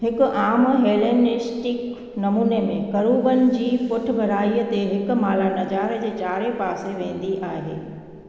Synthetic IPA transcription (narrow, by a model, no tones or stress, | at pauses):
ɦɪkʔaːmɦeːleːnɪsʈɪk | nɐmuːnemẽkɐɾuːbənɪ̆d͡ʑiːpʊʈ̆ʰbʱɐɾaːiət̪eɦɪk̆maːlaːnɐd͡ʑaːɾd͡ʑeːt͡ɕaːɾepaːseʋẽːn̆d̪iʔaːɦḛː